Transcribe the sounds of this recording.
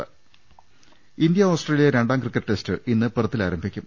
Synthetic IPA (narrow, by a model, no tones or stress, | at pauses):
ind̪jɐo̞ːsʈreːlijɐɾeɳɖaːŋkrikːɐʈːɨʈestɨʔinːɨpɨrɐt̪ːilaːɾɐmbʱikʲːum